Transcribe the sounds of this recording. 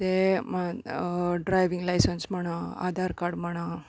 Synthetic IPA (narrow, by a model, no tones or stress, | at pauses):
t̪ema | ɖɾajʋiŋɡlajsənsmɐɳ̃aa̰d̪ʱaɾkaɖmaɳ̃a